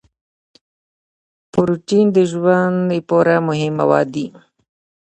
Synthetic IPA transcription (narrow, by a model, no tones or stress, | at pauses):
pʊɾuʈind̪əʒwand̪epoɾamʊɦɪmːa̰wɑ̰ːd̪i